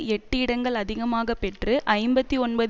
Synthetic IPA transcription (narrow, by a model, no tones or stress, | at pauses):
ɛʈːɯɪɽɐŋɡɐɭɐðɪɣɐmaːɣɐpɛʈrɯʔɐɪmbɐt̪ːiɔnbɐð